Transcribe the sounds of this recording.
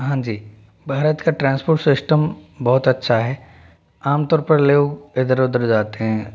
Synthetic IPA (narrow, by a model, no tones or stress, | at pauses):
ɦãːd͡ʒiː | bʱaːɾət̪kaʈɾãːnspoːɾʈsɪsʈəmbɔɦʊt̪ɐtːʃʰaɦɛː | aːmt̪ɔːɾpɐɾleoːɡɪd̪əɾʊd̪əɾd͡ʒaːt̪eɦɛ̃ː